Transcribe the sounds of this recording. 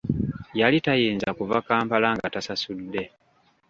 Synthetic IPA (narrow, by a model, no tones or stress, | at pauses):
jalitajiːnzakuvakaːmpalaŋɡatasasudːe̞